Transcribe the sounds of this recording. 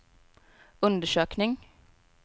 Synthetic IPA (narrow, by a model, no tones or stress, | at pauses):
ʉnd̪əʃøːknɪŋ